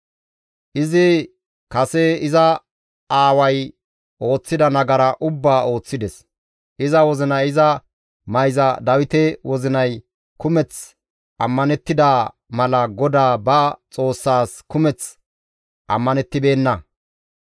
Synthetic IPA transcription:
ʔɪzɪ | kɐsɛɪzɐ | aːwɐj | ʔo̞ːt͡sːɪd̪ɐnɐɡɐɾɐʔʊbːaːo̞ːt͡sːɪd̪ɛs | ʔɪzɐwɔzɪnɐjɪzɐ | mɐjzɐd̪ɐwɪt̪ɛwɔzɪnɐj | kʊmɛt͡s | ʔɐ̰mːɐnɛt̪ːɪd̪a | mɐlɐɡɔd̪aːbɐt͡sʼo̞ːsːaːskʊmɛt͡s | ʔɐ̰mːɐnɛt̪ːɪbe̞ːnːɐ

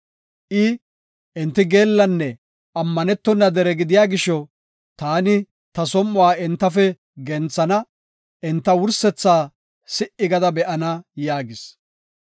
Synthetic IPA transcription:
ʔɪ | ʔɪnt̪ːɪɡe̞ːlːɐnːɛ | ʔɐmːɐnɛt̪ːɔnːɐd̪ɛɾɛɡɪd̪ɪjaːɡɪʃɔ | t̪aːnɪ | t̪ɐsɔmːʊwaːɪnt̪ːɐfɛ | ɡɛnt͡sːɐnɐ | ʔɛnt̪ːɐwʊɾsɛt͡sːaː | sɪʔɪɡɐd̪ɐbɛʔɐnɐjaːɡɪs

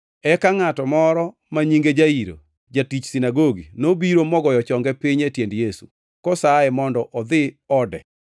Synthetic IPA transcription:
ɛkaŋatɔmɔɾɔ | maɲiŋɡed͡ʒaiɾo̰ | d͡ʒatit͡ʃsinaɡoɡinobiɾomɔɡɔjɔt͡ʃɔŋɡɛpɪɲetjendjesṵ | kɔsaɛmɔndɔʔɔd̪ɪ | ɔdɛ

